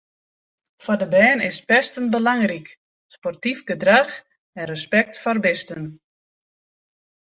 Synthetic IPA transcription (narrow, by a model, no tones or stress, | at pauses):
fɔdəbɛːnɪspɛstənbəlaŋrik | spɔrtifɡədrax | ɛnrəspɛk̚tfɔrbɪstən